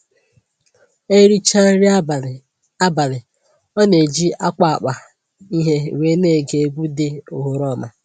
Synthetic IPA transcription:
e˦ɾi˦t͡ʃa˦ɾ | a˦ba˨lɪ˨ | ɔ˦ne˨d͡ʒi˦a˦kʷa˨a̰˨k͡pa˨ | i˦ɦe˦˨we˦ne˦˨ɡe˨ɡʷu˦dɪ˦o˨ɦo˨ɾɔ˦˨ma˨

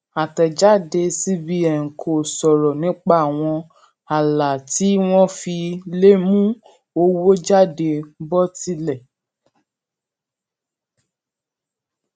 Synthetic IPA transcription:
a˨tɛ˨d͡ʒa˦de˧si˦bi˦ɛ˨ŋ̩˨kʰo˨sɔ˨ɾɔ˨nĩ˨˦k͡pa˦a˨w̃ɔ̃˧ | a˨la˨ti˨˦w̃ɔ̃˦fi˧le˦mũ˦ | o˧wo˦d͡ʒa˦˨de˧bɔ˦ti˦lɛ˦˨

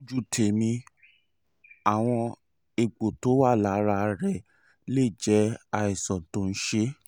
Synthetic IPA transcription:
d͡ʒu˦˨tʰe˨mĩ˧ | a˨w̃ɔ̃˧ | e˨ɡ͡bo˨to˨˦wa˦˨la˨˦ɾa˧ɾɛ˦˨ | le˦˨d͡ʒɛ˨˦a˧i˨sɔ̃˨tõ˨˦n̩˦ʃe˦

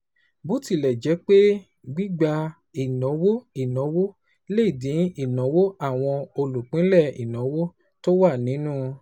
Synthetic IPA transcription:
bo˨˦ti˧˨lɛ˨d͡ʒɛ˨˦k͡pe˦ | ɡ͡bi˦ɡ͡ba˧ | i˨nɔ̃˨˦wo˦i˨nɔ̃˨˦wo˦ | le˦i˨dĩ˨˦i˦˨nɔ̃˨˦wo˦a˦˨w̃ɔ̃˧o˧lu˨k͡pĩ˨˦lɛ˦˨ḭ˨nɔ̃˨˦wo˦ | to˦wa˦˨nĩ˨˦nũ˦

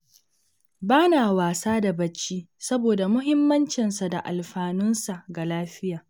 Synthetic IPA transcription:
baː˦naː˨waː˨saː˦da˨bɐ˦t͡ʃːiː˦sɐ˦boː˨da˨mʊ˦ɦɪ˦mːɐ˦nt͡ʃɪ˨nsa˨da˨ʔa̰˨lɸaː˨nʊ˦nsa˨ʔɡa˨laː˦ɸɪ˦jaː˨

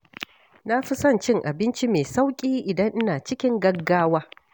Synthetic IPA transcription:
na˦ɸi˦sɐ˦˨nt͡ʃɪ˦ŋʔa˨bɪ˦nt͡ʃi˦meː˨sa˦wkʲʼiː˦ʔɪ˨dɐ˦ŋʔɪ˦naː˨t͡ʃɪ˦kʲɪ˦ŋɡɐ˦ɡaː˦waː˦

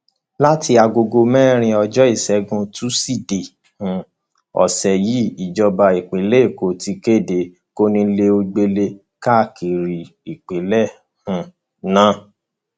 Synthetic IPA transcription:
la˦tʰi˧˦a˧ɡo˧ɡo˧mɛ˦ɾ̃ĩ˧ɔ˧d͡ʒɔ˦i˦˨sɛ˨˦ɡũ˧tu˦si˦˨de˨ | hũ˨ | ɔ̰˨sɛ˨ji˨˦i˨d͡ʒɔ˧ba˧i˨k͡pe˨˦le˦i˦˨ko˨˦ti˧ke˦˨de˨˦ | ko˦nĩ˧le˧o˧ɡ͡be˧le˧ | ka˦a˦˨kʰi˨ɾi˨ | i˨k͡pe˨˦lɛ˦˨ | hũ˨ | nã˨˦

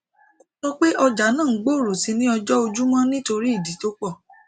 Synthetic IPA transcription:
o˦sɔ˦k͡pe˦ʔɔ˧d͡ʒa˨˦nãː˦˨˦ɡ͡bo˦˨ɾo˨si˧˦nĩ˦ɔ˧d͡ʒɔ˦o˧d͡ʒu˦mɔ̃˦nĩ˦to˧ɾi˦i˦˨di˨˦to˦k͡pɔ˦˨

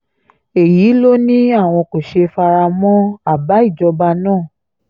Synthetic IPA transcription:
e˨ji˨˦lo˦nĩ˦a˦˨w̃ɔ̃˧ko˨ʃe˧fa˧ɾa˧mɔ̃˦a˦˨ba˨˦i˦˨d͡ʒɔ˧ba˧nãː˦˨

